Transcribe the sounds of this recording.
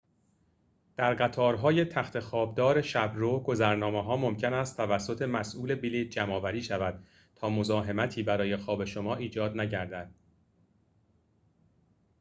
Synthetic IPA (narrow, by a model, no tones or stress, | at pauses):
d̪̥æɾɢæt̪ʰɒːɾɦɒːje̞t̪ʰæxt̪ʰe̞xɒːb̚d̪ɒːɾe̞ʃæbɾoɡo̞zæɾnɒːmeɦɒːmo̞mcʰe̞næst̪ːʰævæsːo̞t̪ʰe̞mæsʔuːle̞biliːt̪̚d͡ʒæmɒːvæɾiːʃævæd̪̥̚ | t̪ʰɒːmozɒːɦe̞mæt̪ʰiːbæɾɒːje̞xɒːbe̞ʃomɒːʔiːd͡ʒɒːd̪næɟæɾd̪æd̪̥̚